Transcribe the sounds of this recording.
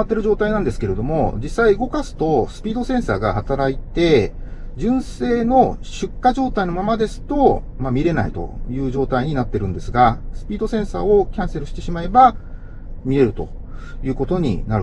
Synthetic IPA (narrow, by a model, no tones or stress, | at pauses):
at̪ːe̞ɾɯ̟ʑo̞ːt̪ainãnd̪e̞sɨ̥ke̞ɾe̞d̪o̞mo̞d͡ʑisaiɯ̟ɡo̞kasɨ̥t̪o̞sɨ̥pʲiːd̪o̞sẽ̞ɰ̃sa̰ːɡahat̪aɾait̪e̞ | d͡ʑɨ̃ɰ̃se̞ːno̞ɕɨkːaʑo̞ːt̪aino̞mamad̪e̞sɨ̥t̪o̞ | mamʲiɾe̞na̰it̪o̞̰jɯ̟ːʑo̞ːt̪aiɲ̟inat̪ːe̞ɾɯ̟̃nd̪e̞sɨɡasɨ̥pʲiːd̪o̞sẽ̞ɰ̃sa̰ːo̞kʲãɰ̃se̞ɾɯ̟ɕi̥t̪e̞ɕimae̞ba | mʲiɾe̞ɾɯ̟t̪o̞̰ | jɯ̟ːko̞t̪o̞ɲ̟ḭnaɾɯ